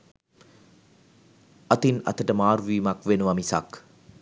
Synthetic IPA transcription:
ɐt̪inɐ̰t̪ʰəʈəmaːɾʋiːmakʋenuʋamisa̰k

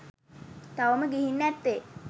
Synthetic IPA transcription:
t̪aʋəməɡiɦinːæt̪ːe

